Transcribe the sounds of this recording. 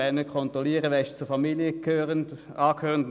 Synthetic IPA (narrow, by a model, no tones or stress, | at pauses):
ɛnəkʰɔnt̪ʁɔliəʁəʋɛʃt͡suɐfɑmilijəkʰøːʁənd | ɑːkʰhøːʁənd